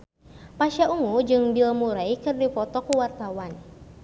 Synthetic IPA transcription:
paʃauŋud͡ʒɨŋbilmuɾaikɨrdipɔt̪ɔkuwart̪awan

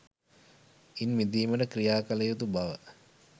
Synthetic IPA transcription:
inmid̪iːməɖəkrijaːkələjut̪ubaʋə

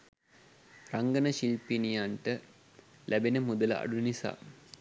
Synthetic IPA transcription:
raŋɡənəʃilpinijaɳʈə | lʔæbenəmud̪ələa̰ɖunisa̰ː

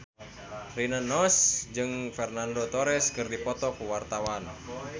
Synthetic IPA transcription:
rinənɔsd͡ʒɨŋfɛrnandot̪ɔɾɛskɨrdipɔt̪ɔkuwart̪awan

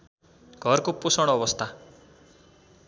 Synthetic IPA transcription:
ɡ̥ʱʌrkoposʌɽ̃ʌbʌst̪ʰa

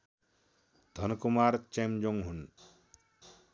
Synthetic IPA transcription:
d̪ʱʌnkumaɾt͡ʃemd͡ʒoŋɦun

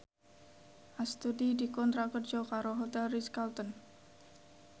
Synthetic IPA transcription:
ʔast̪udidikɔnt̪ɾakərd͡ʒɔkaɾoɦot̪ɛlriskalt̪ɔn

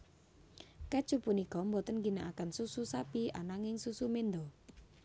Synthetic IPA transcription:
kḁt͡ʃupunikɔmbɔt̪ənɡinaʔakansususapia̰naŋɪŋsusumend̪ɔ

